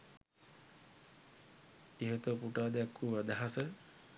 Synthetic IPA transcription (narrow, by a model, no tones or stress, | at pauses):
iɦet̪əpuʈaːd̪akːuʋad̪aɦasə